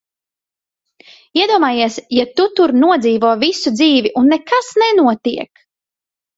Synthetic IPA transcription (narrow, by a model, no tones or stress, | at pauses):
iɛd̪uɔmaːjiɛsjat̪ut̪uɾnuɔd̪ziːvuːvisud̪ziːviʔunːekasnɛnuɔt̪iɛk